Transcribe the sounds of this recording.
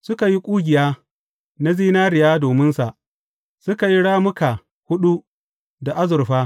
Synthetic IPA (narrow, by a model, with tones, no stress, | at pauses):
sʊ˦ka˨ji˦kʷʼuː˦ɡʲɪ˨jaː˦ | na˦ziː˦naː˦ɾɪ˨jaː˦doː˨mɪ˦nsa˨ʔ | sʊ˦ka˨ji˦ɽaː˦mʊ˦ka˨ | hʊ˦ɗu˦ | da˨ʔa˦zʊ˨ɾɸaː˦